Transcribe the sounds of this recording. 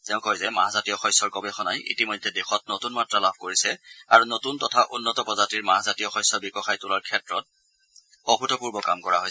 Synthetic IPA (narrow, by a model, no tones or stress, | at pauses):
tɛʊ̃kojzɛmaɦazatijɔxɔjsɔɹkɔbɛxɔnajḭtimɔjdʱːɛdɛxɔt̚notunmatɹalabʱkoɹisɛaɹunotuntɔtʰaʔunːɔtɔpɔzatiɹmaɦazatijɔxɔjsːɔbikɔxajtulaɹkʰɛtɹɔt̚ | ɔxutɔpuɹbɔkamkɔɹaɦojɛ